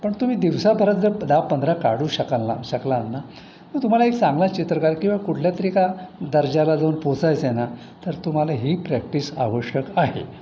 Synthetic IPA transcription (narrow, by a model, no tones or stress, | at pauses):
pəɳt̪um̤iːd̪iʋsabʱəɾət̪̚d͡zəd̪apənd̪ʱɾakaɽuːɕəkalːa̰ɕəklanːa | mət̪um̤alaekt͡sãŋɡlat͡ɕit̪ɾəkaɾkĩw̃ʋakuʈʰljat̪əɾikad̪əɾd͡ʑalad͡zawnpot͡sajt͡sena | t̪əɾt̪um̤alaɦiːpɾæk̚ʈiːsa̰ʋəɕjəkaɦḛ